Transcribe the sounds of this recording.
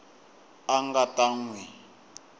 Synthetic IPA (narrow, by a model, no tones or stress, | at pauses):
aŋɡataŋwi